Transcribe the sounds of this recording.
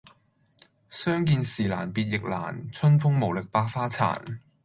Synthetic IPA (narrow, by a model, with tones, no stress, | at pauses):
sœː˥ŋkiː˧nsiː˨˩la̰ː˨˩npiː˨t̚jɪ˨k̚la̰ː˨˩nt͡sʰɵ˥nfʊ˥ŋmo˨˩wlɪ˨k̚paː˧k̚faː˥t͡sʰa̰ː˨˩n